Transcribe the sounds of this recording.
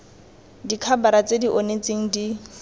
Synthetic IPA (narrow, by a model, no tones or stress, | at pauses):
dikʰabaɾat͡sʼediʔonet͡seŋ̩di